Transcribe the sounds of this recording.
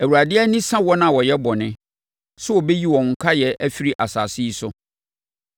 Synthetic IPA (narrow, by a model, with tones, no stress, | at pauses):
æ˨wu˨ɾa˨dɪ˦ɛ˦nĩ˦sã˦wɔ˦nã˦˨wɔ˨jɛ˦bɔ˨nɪ̃˨˦ | sʊ˦wɔ˨be˦ji˦wɔ̃˨ŋ̩˨kʰa˦jɛ˨ʔæ˦fi˦ɾi˦ʔa˨sa̰ː˨si˦i˦sʊ˦